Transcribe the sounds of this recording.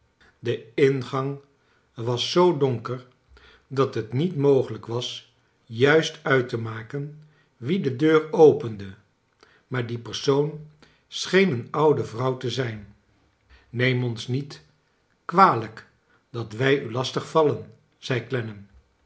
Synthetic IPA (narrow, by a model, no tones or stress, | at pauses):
dəɪnχɑŋ | ʋɑsːowdɔŋkəɹ | dɑtɦətnitmowχələkʋɑs | jœɥstœɥtəmaːkən | ʋidədøːrowpəndə | maːɹdipəɹsown | sχejnənɑwdəvrʌwtəzɛjn | ejmɔnsnit | kʋaːlək | d̥ɑtʋɛjylɑstəχfɑlən | z̥ɛjklɛnəm